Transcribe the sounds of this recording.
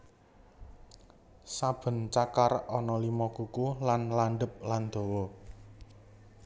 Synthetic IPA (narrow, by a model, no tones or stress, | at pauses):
sab̥ə̤nt͡ʃakarɔnɔlimɔkukulanlaɳɖəp̚land̪̥o̤wɔ